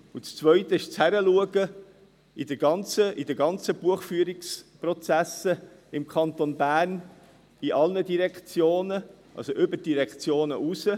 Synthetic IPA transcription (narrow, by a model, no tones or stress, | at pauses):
ut͡st͡svœʏt̪əɪʃt͡shæɾəluəɡə | id̥̪əɡɑnt͡səʔid̪əɡɑnt͡səb̥uəχfyːəɾiksprot͡sæsə | ɪmkʰɑnt̪onbæːrn | iʔɑlnədiɾɛkt͡sjoːnə | ʔɑ̰lsoʔʏbəɾd̥iɾɛkt͡sjoːnəʔusə